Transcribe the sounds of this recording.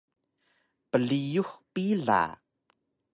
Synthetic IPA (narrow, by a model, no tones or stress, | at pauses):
pəɮijuhpiɮa̰